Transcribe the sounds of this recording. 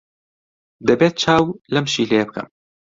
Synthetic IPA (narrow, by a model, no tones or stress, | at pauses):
d̪əbeːt̪̚t͡ʃʰaːwlɛmʃiːlejebɨkɨ̰m